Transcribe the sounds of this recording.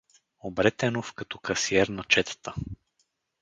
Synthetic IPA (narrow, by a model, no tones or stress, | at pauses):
obɾɛt̪ɛnofkɐt̪ɔkɐsiɛɾnɐt͡ʃɛt̪ə̥t̪ə